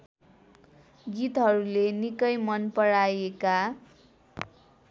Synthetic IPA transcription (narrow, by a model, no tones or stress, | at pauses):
ɡit̪ɦʌɾulenikʌjmʌnpʌɽajeka